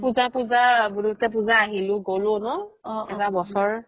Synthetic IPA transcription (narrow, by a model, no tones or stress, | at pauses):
puzapuzabuɹutɛp̬uzaːɦilʊ̃ɡolʊnɔɛtabɔsɔɹ